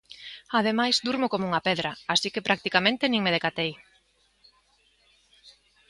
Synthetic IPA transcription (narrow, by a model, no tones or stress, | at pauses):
að̞emajzd̪uɾmʊkomouŋapɛðɾɐasikepɾak̚t̪ikamẽnt̪enĩŋmeðekat̪ej